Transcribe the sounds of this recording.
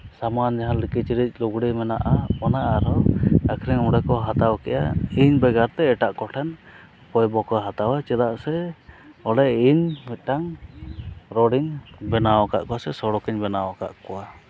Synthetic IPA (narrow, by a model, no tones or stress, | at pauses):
samand͡ʒaɦalikit͡ʃiɾic̚ˀluɡɽimɛnaʔamɔnaaɾɔakʰɾɛŋuɽɛkɔɦat̪awkɛʔja̰iɲbɛɡaɾt̪ɛːʈaʔkɔʈʰɛn | pɔjbɔkɔɦat̪awat͡ʃɛd̪aʔsɛ | ɔlɛiɲmɛt̪̚ʈaŋ | ɾɔɽiŋbɛnawaka̰ʔkɔwasɛsɔɽɔkɛɲbɛnawaka̰ʔkɔwa